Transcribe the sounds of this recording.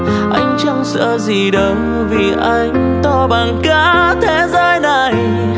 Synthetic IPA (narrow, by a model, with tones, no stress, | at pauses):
ʔa˧jŋ̟t͡ɕɔ˧ŋ͡msɨ̰˧˥əzi˨˩ɗə˨˦ŋ͡m | vi˨˩ʔa˧jŋ̟ | t̪ɔ˧ɓaː˨˩nkaː˧˦t̪ʰe˧˦zəː˧jna˨˩j